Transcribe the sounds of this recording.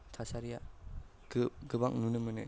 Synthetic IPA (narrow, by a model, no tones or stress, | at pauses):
tʰasaɾija | ɡɯbaŋnunɯmɯnɯ